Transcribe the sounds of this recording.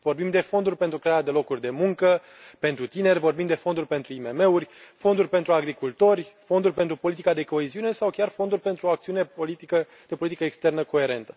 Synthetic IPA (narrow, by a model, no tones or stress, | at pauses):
vo̞rbimd̪e̞fo̞nd̪urʲpent̪ɾukɾeaɾad̪e̞lo̞kurʲd̪e̞muŋkə | pe̞nt̪ɾut̪ine̞rʲvo̞rbimd̪e̞fo̞nd̪urʲpe̞nt̪ɾuime̞me̞urʲfo̞nd̪urʲpe̞nt̪ɾuaɡɾikult̪o̞rʲfo̞nd̪urʲpe̞nt̪ɾupo̞lit̪ikad̪e̞ko̞eziune̞sawkʲarfo̞nd̪urʲpent̪ɾuakt̪siuneolit̪ikə | d̪̥e̞polit̪ikəekst̪e̞rnəko̞e̞ɾe̞nt̪ə̥